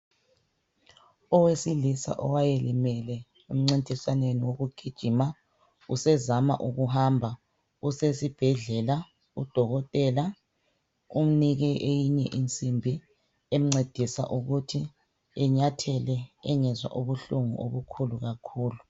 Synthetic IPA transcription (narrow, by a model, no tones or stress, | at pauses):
ɔwesilisa̰ʔɔ̰wajelimɛlɛ | um̩ŋ͡ǀintʼisaneniwoɣuɡ̥ʱid̥ʒ̥ʱima | usɛzama̰ʔuɣuɦambʱa | usesib̥ʱɛɮɛla | ṵd̥ʱɔɣɔtʼɛla | um̩niɣɛʔejiɲɛʔint͡sʼimbʱi | ɛm̩ŋ͡ǀed̥ʱisa̰ʔuɣutʰi | ɛɲatʰɛlɛɛŋɛzwa̰ʔuβuɬuŋṵʔo̰βukʰuluɣakʰuːlu